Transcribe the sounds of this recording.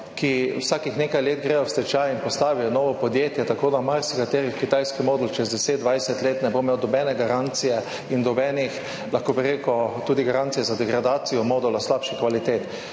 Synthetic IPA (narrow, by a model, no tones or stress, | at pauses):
kiwsaːkixnekajleːd̪ɡɾɛjɔst̪ɛt͡ʃajinpɔst̪aːʋijɔnɔːʋɔpɔd̪jeːt̪jɛt̪akoːd̪amaɾsikat̪eːɾixkit̪ajskimɔːd̪ult͡ʃɛzd̪ɛseːd̪̚d̪ʋajsɛt̪leːt̪nɛbomeːwd̪ɔbɛnɛɡaɾant̪sijɛ | ind̪ɔbɛːnix | laxkobiɾeːkɔt̪uːd̪iɡaɾant̪sijɛzad̪ɛɡɾad̪aːt̪sijɔmɔːd̪ʊlaslaːpʃixkʋalit̪eːt̪